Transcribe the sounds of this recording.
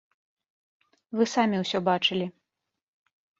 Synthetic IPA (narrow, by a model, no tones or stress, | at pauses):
vɨsamʲiwsʲɔbat͡ʂɨlʲi